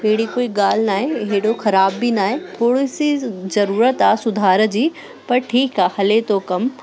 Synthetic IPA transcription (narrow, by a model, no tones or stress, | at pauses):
ɦeɦɽikoːiɠaːl̤naːɦẽɪɽoxɐɾaːbːinaːɦet̪ʰoːɽɪsizɐɾuːɾət̪aːsʊd̪ʱaːɾəd͡ʑiː | pɐɾʈʰiːkaːhɐlet̪okɐm